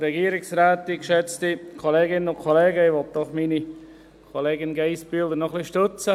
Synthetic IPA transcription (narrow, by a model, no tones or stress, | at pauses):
ɾɛɡiːəɾɪksɾæːtːikʃɛt͡stikʰoleːɡɪnənʊnkʰɔleːɡəɪʋɔlt̚d̥ɔχmini | kʰoleːɡɪnɡeɪspyːldənɔχliʃtøt͡sə